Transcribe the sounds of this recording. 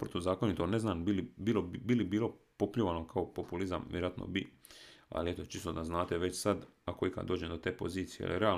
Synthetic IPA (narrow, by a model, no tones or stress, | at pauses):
pɾot̪ozaːkonit̪oneznaːnbilibilobilibiːlˠo̞popʎoʋanokʰao̞po̞pulizamʋjeɾoat̪nʔo̰bi | a̰liet̪o̞t͡ʃist̪od̪aznaːt̪e̞ʋe̞t͡ɕsad̪akoika̰d̪d̪oːd͡ʑemd̪ot̪e̞ːpo̞̰ziːt̪sijea̰liɾea